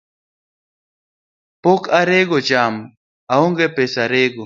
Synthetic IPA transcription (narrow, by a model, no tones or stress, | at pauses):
pokaɾeɡot͡ʃam | aoŋɡepesaɾeɡo